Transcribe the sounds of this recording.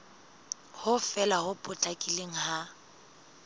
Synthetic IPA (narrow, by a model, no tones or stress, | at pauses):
hʊfɛlahʊpʼʊt͡ɬʼakʼileŋ̩ɦa